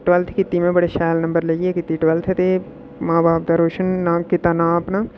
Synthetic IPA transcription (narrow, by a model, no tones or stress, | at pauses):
ʈʋɐlt̪ʰkɪt̪ːimẽbɐɽeʃaːlnɐ̃mbəɾlɐɡiekɪt̪ːiʈʋɐlt̪ʰet̪e | mãːbaːp̚d̪aɾoːʃənːãkɪt̪anãpna